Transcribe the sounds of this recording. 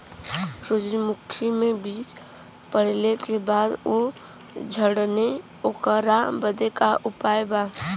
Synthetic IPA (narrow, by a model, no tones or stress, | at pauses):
ɾʊd͡ʒjmukʰimebiːt͡ʃ | pəɽlekebad̪o | d͡ʒʱəɽne | okəɾabəd̪ekaʔupajba